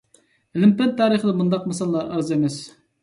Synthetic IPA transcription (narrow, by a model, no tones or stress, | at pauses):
lɪmpɛnt̪ʰːɑːɾəχəd̪ɑmund̪ɑqmɑsɑlˠːɑɾɑɾzemɛs